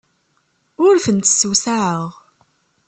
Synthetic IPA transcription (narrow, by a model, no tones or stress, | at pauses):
ʊɾθənt̪sːwsaʕəʁ